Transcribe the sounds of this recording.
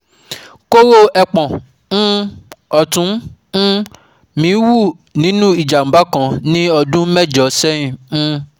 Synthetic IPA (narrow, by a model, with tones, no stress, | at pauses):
ko˦ɾo˦ɛ˧k͡pɔ̃˨˦ | ɔ˨tũ˨˦ | mĩ˨˦wu˦˨ | nĩ˨˦nũ˦i˨d͡ʒa˨m̩˨ba˦kã˧nĩ˦ɔ˧dũ˦mɛ˦˨d͡ʒɔ˨sɛ˦ĩ˨˦